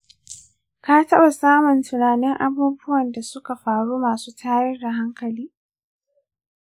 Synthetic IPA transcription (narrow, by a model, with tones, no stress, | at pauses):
kaː˦tɐ˦ɓa˨saː˦mʊ˨ntʊ˨naː˨nɪ˦ŋʔa˦buː˦bʊ˦wɐ˨nda˨sʊ˦ka˨ɸaː˨ɽuː˦maː˨suː˦tʰaː˦jɛ˦da˨ɦa˦ŋkɐ˨liː˦